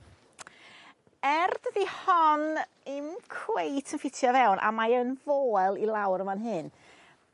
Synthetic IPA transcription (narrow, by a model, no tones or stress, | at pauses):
ɛrdədihɔn | ɨmkʰwejtʰənfɪtʰjɔvɛwnʔa̰maənvoːɛlˠilˠawɾəmanɦɨn